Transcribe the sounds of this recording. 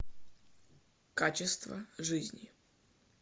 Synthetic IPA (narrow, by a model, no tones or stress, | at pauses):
kat͡ɕɪst̪və̰ʐɨzʲnʲɪ